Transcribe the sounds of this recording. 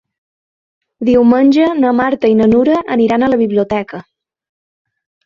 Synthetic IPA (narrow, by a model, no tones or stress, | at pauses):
d̪iwmənʲʒənəmaɾt̪əinənuɾəʔəniɾanələβiβliut̪ɛkə